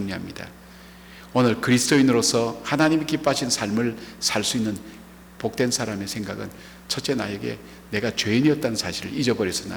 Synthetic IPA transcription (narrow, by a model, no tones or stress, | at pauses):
uŋɲiɦamɲida̰ | onɯɭkɯɾisʰɯ̥doinɯɾosʰʌhanaɲimikip͈aɕʰinsʰaɭmɯɭsʰaɭs͈uinːɯn | pok̚t͈wensʰaɾame̞sʰe̞ŋɡaɡɯ̰n | t͡ɕʰʌt̚t͡ɕ͈e̞na̰jeɡe̞̰ | ne̞ɡat͡ɕweiɲiʌt̚t͈anɯnsʰaɕʰiɾɯɭid͡ʑʌbʌɾjʌs͈ʌna̰